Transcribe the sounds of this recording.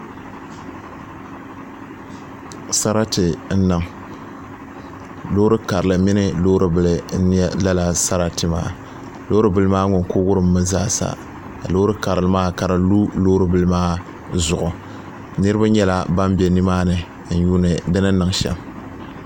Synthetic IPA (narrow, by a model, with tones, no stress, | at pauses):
sa˦ɾa˦tɨ˨n̩˦nɨ˨ŋ | lo˦ɾɨ˦ka˨ɾɨ˨lɨ˨mɪ˦nɨ˦loː˦ɾɨ˦bɨ˨lɨ˨n̩˦n˦la˦la˨sa˦ɾa˦tɨ˨ma̰ː˦ | loː˦ɾɨ˦bɨ˨lɨ˦maː˦ŋʊ˨ŋkʊ˦ɡʊ˦ɾɨ˦mː˦ɨ˦za̰ː˦sa̰˨ | loː˦ɾɨ˦ka˨ɾɨ˨lɨ˦maː˦ka˨ɾa˨lu˦loː˦ɾɨ˦bɨ˦lɨ˦maː˦ | zʊ˨ʔʊ˨ | nɨ˦ɾɨ˦ba˦ɲɛ˦la˦ba˦mbɛ˨nɨ˦maː˦nɨ˨ | n̩˦ju˦nɨ˨dɨ˦nɨ˦nɨ˨ŋʃɛ̰˨m